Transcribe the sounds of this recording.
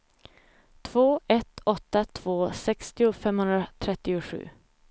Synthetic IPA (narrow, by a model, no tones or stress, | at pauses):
t̪ʰv̥oːʔɛt̪ʰɔt̪ːat̪ʰv̥oːsɛkst̪ɪʊfɛmhɵnd̪ɾat̪ʰɾɛt̪ːɪʊɧʉ̟̰ː